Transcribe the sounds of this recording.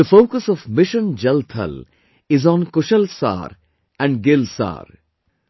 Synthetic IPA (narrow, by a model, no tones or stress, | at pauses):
əfoːkəsɔvmɪʃə̃nd͡ʒɛlt̪ʰə̰l | ɪzɔ̃nkʊʃəlsa̰ːɾ | æ̃ɳɖɡɪlsa̰ːɾ